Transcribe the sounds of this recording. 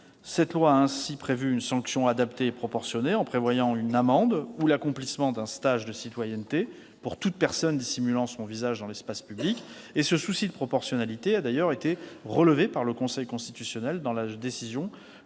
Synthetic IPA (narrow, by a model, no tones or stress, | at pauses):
sɛt̪lwaːɛ̃sipχevyːnsɑ̃ksjɔ̃ad̪apt̪eːpχɔpɔʁsjɔneɑ̃pχevwajɑ̃ynamɑ̃d̪ulakɔ̃plismɑ̃d̪ɛ̃st̪aʒd̪əsit̪wajɛnt̪e | puʁt̪ut̪̚pɛʁsɔnd̪isimylɑ̃sɔ̃vizaʒd̪ɑ̃lɛspaspyblikesəsusid̪əpχɔpɔʁsjɔnalit̪ead̪ajœʁet̪eʁələvepaʁləkɔ̃sɛjkɔ̃st̪it̪ysjɔnɛld̪ɑ̃lad̪esizjɔ̃